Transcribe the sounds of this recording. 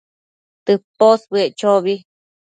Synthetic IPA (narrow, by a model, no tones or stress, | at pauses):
t̪ɨposβɨet͡ʃoβi